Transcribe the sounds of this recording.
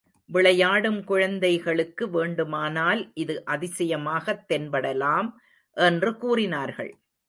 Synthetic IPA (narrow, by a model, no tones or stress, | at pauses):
ʋɪɭɐjaːɽɯmkʊɻɐnd̪ɐɪɣɐɭɯkːɯʋeːɳɖɯmaːnaːlʔɪðɯʔɐðɪsɐjɐmaːɣɐt̪ːɛnbɐɽɐlaːm | ʔɛndrɯkuːrɪnaːɾɣɐ̰ɭ